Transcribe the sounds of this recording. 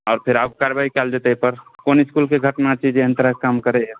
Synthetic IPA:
ɔːɾpʰeɾabkaɾebaikɛld͡ʒet̪epəɾkonɪskulkeɡʱəʈnat͡ʃid͡ʒeənt̪əɾəkamkəɾeɦɛ

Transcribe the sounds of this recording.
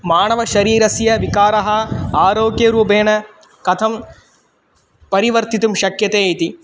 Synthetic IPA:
maːɳɐʋɐʃɐɾiːɾɐsjɐʋikaːɾɐɦɐaːɾoːɡjɐɾuːpeːɳɐ | kɐt̪ʰɐm | pɐɾiʋɐɾt̪it̪umʃɐkjɐt̪eːit̪i

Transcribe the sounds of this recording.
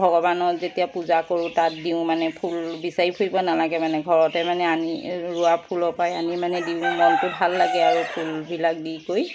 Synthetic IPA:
bʱɔɡɔbanɔtzetijapuzakoɹutat̚diʊ̃manɛpʰulbisaɹipʰuibɔnalaɡɛmanɛɡʱɔɹɔtɛmanɛaniɹuapʰulɔpajanimanɛdiʊ̃mɔntʊbʱalːaɡɛaɹupʰulbilak̚dikoj

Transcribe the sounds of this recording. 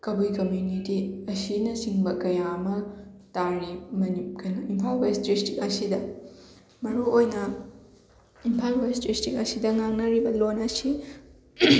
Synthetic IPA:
kɐbujkɐmjunitiɐsinɐsiŋbɐkɐjaɐmɐtaɾnimɐnikɐnɐimpʰalbajsdɾistik̚ɐsidɐ | mɐɾuojnɐ | impʰalbajstɾistik̚ɐsidɐŋaŋnɐɾibɐlonɐsi

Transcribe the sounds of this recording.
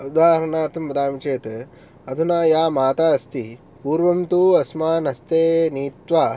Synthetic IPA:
ud̪aːɾɐɳaːɾt̪ʰɐmbɐd̪aːmt͡ʃeːt̪ | ɐd̪ʱunaːjaːmaːt̪aːɐst̪i | puːɾʋɐmt̪uɐsmaːnɐst̪eːniːt̪ʋaː

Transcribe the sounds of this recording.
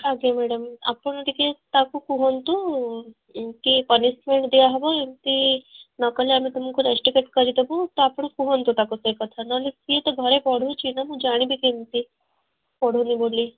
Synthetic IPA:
aɡemɛɽəma̰pəɳ̃d̪iket̪akukuɦont̪u | kipənismeɳʈd̪iaɦbaent̪inkəleamit̪umkuɾesʈikeʈ̚kəɾit̪ebot̪ɔapəɳ̃kuɦont̪ut̪akusekət̪ʰanalesiet̪əbʱəɾepɔɽ̤ʱut͡ʃinamud͡ʒaɽ̃ibʱikent̪i | pɔɽ̤unibolːi

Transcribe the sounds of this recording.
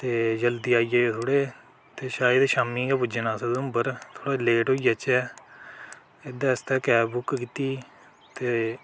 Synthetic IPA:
t̪eːd͡ʒəld̪iːaːiːd͡ʒeːot̪ʰoːɽeː | t̪eːʃaːjəd̪eʃaːmiːɡaːpʊd͡ʒənaːsəd̪ʊmbəɾt̪ʰoːɽaːleːʈɦoːiːət͡ʃɛː | ɪd̪ãːɪst̪ɛːkɛːbʊkkiːt̪iː | t̪eː

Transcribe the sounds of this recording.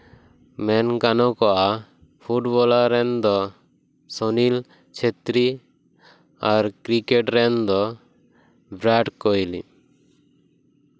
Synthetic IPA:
mɛnkanɔkɔʔa | pʰuʈbɔlaɾɛnd̪ɔ | sɔnil | t͡ʃʰet̪ɾi | aɾkɾikeʈɾɛnd̪ɔ | bɾaʈkɔjlḭ

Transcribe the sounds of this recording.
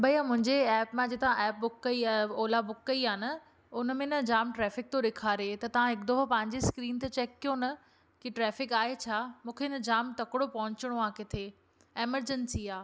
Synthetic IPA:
bɐiamʊ̃ɦɪ̃ɲd͡ʑeɛːpmãd͡ʑet̪ɐʋãʔɛːp̚bʊkːɐiaːoːlabʊkːɐiaːnɐ | ʊnəmẽnɐd͡ʑaːmʈɾɛːfɪk̚t̪oɗɪkʰaːɾet̪ɐt̪ɐʋ̤ãɦɪkd̪oɦpɐ̃ɦɪ̃ɲd͡ʑeskɾiːnt̪ɐt͡ɕɛːkːijonɐ | kiʈɾɛːfɪkaːɦet͡ɕʰaːmũːkʰenɐd͡ʑaːmt̪ɐkɪɽopɐɦʊ̃ɲt͡ɕɪɽ̃oãːket̪ʰeː | eːməɾd͡ʑənsiaː

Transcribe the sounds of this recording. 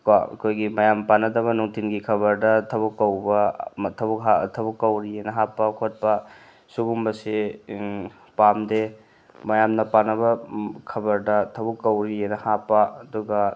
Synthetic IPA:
kaɐ̰kʰojɡimɐjampanɐdɐβɐnuŋtʰinɡikʰɐβɐɾdɐtʰɐbukːɐwbɐtʰɐbukɦatʰɐbukːɐwɾienɐɦapːɐkʰot̚pɐ | suɡumbɐse | pamde | mɐjamnɐpanɐbɐkʰɐbɐɾdɐtʰɐbukːɐwɾienɐhapːɐɐduɡɐ

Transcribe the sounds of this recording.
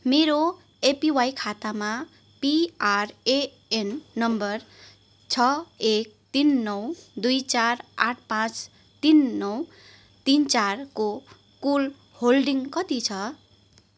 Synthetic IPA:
meɾo | epiwajkʰat̪ama | piare | enːʌmbʌr | t͡sʰʌek̚t̪inːʌwd̪ujt͡saraʈʰpãt͡s | t̪inːʌw | t̪int͡sarko | kul | holɖiŋkʌt̪it͡sʰʌ

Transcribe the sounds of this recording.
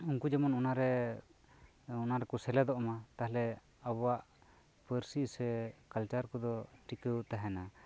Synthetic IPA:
uŋkud͡ʒɛmɔnɔnaɾɛ | ɔnaɾɛkɔsɛlɛd̪ɔʔɔmat̪aɦlɛ | abɔwaʔ | pəɾsisɛkalt͡ʃaɾkɔd̪ɔʈikəwt̪aɦɛna

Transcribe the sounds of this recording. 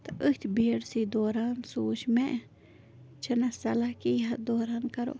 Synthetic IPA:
t̪aʔəht̪ʲbiɾsid̪oɾansuːʃmeʔ | t͡ʃənasalakiɦad̪oɾankaɾo̰

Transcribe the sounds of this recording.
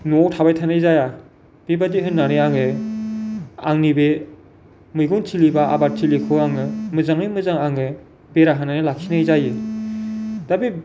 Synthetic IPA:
notʰabajtʰanajzaja | b̥ebadiɦɯnːanɯaŋɯ | a̰ŋnibe | mɯjɡɯŋtʰilibaa̰baɾ̚tʰilikʰɯaŋɯmɯzaŋɯjmɯzaŋaŋɯ | beɾaɦananɯlakʰinajzaji | d̥abi

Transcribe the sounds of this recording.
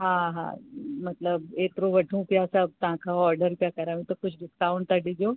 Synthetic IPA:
ɦãɦã̰mɐt̪ləbeːt̪ɾoʋɐʈʰũpjasab̚t̪ɐɦãkʰaɔːɾɖəɾpjakɐɾaːũt̪okʊt͡ʃʰɖɪskaːʊ̃ɳɖt̪əɽid͡ʒoː

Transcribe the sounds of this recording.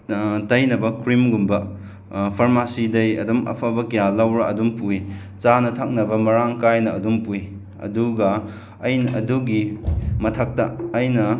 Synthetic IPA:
tɐjnɐbɐkɾimɡumbɐ | pʰɐɾmasidɐjɐ̰dumɐ̰pʰabɐkɐjalawɾɐʔɐdumpui | t͡ʃanɐtʰak̚nɐbɐmɐɾaŋkajnɐɐdumpui | ɐ̰duɡɐ | ɐjnɐduɡimɐtʰɐk̚tɐːjnɐ

